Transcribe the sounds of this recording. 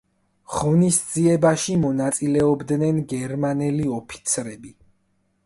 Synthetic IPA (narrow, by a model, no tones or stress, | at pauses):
ʁɔnisd̪ziɛbaʃimɔnat̪sʼilɛɔbd̪nɛnɡɛɾmanɛliɔpʰi̥t̪sʰɾɛbi